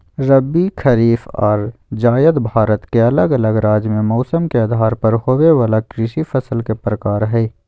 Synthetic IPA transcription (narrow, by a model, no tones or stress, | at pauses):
ɾəbikʰɐɾiːfɔ̰ːɾd͡ʒaːjəd̪bʱaːɾət̪keɐləɡɐləɡɾaːd͡ʒmẽmɔːsəmkeɐd̪ʱaːɾpɐɾhoːweʋaːlakɾɪʃifɐsəlkepɾəkaːɾɦɛː